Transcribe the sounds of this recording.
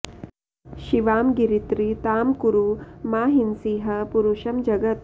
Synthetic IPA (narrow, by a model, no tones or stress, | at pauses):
ʃiʋaːmɡiɾit̪ɾit̪aːmkuɾumaːɦinsiːɦɐpuɾuʃɐmd͡ʒɐɡɐt̪